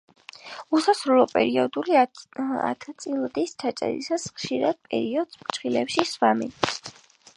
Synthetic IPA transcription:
usasɾulˠɔpʼɛɾiɔd̪ulia̰t̪ʰt̪sʼilˠd̪ist͡ʃʰat͡ʃʼɛ̰ɾḭsasχʃiɾad̪̥̚pʼɛ̰ɾiɔd̪̥spt͡ʃχilɛpʃiswami

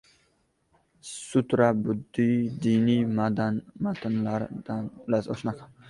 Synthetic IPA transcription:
sʊt̪ɾabʊd̪ːijd̪inimad̪anmat̪ʰɪnlaɾd̪̥anblaso̰ʃnakʰa

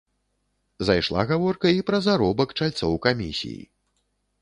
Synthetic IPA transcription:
zajʂlˠa̰ɣavɔrkɐipɾɐzaɾɔbɐkt͡ʂalʲt̪sɔwkamʲḭsʲḭjḭ

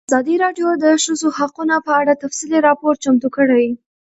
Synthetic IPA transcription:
azɑd̪iɾɑɖjod̪əʃəzohaqunapəaɽat̪afsiliɾɑpoɾt͡ʃamt̪ukəɽaj

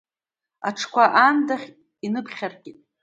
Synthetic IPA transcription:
aʈ͡ʂʰkʷaʔandaχʲ | inɨpʰχʲarɡʲʼitʼ

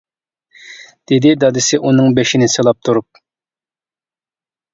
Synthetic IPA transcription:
d̪̥ɪd̪ɪd̪ɑd̪ɨsɨʔunɨŋbeʃinɪselˠɑp̚t̪ʰuɾup̚

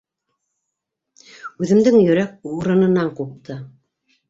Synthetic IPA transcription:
ʉðɘ̆md̪ɘŋjɵ̆ɾæk̚uɾɤ̆nɤ̆nɑɴqup̚t̪ʰɤ

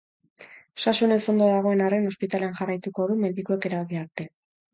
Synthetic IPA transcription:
ʃaʃune̞so̞nd̪oðaɣ̞o̞e̞nare̞no̞spit̪ale̞anʝarajt̪uko̞ðume̞nd̪ikue̞ke̞ɾaβɣiaɾt̪e̞

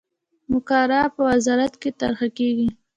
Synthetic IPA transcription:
mʊkɑɾɑpəwazɑɾat̪ket̪a̰ɾxakeɡi

